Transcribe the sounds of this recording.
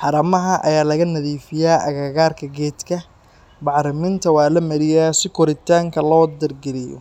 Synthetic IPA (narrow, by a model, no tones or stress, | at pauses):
ħɑɾɐmɐɦɐʔɐ̰jaːlɐɣɐnɐðiːfɪjaːʔɐ̰ɣɐːɣaːrkʰɐɡɛːd̪kʰɐ | bɑʕɾɪmɪnt̪ʰɐwɑːlɐmɐɾɪjaːsɪkʰɔɾɪt̪ʰaːŋkʰɐlɔːd̪ɐrɡɛlɪjɔ̰